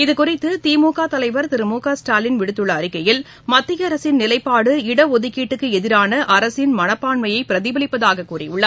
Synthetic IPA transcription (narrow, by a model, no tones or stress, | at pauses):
ɪðɯkʊrɪt̪ːɯt̪iːmuːkaːt̪ɐlɐɪʋɐɾt̪ɪɾɯmuːkaːsʈaːlɪnʋɪɽɯt̪ːɯɭːɐːɾɪkːɐjɪl | mɐt̪ːɪjɐːɾɐsɪnnɪlɐɪpːaːɽɯɪɽɐɔðɯkːiːʈːɯkːɯɛðɪɾaːnɐʔɐɾɐsɪnmɐnɐpːaːɳmɐjɐɪpːɪɾɐðɪʋɐlɪpːɐðaːɣɐkːuːrḭʊɭːɐ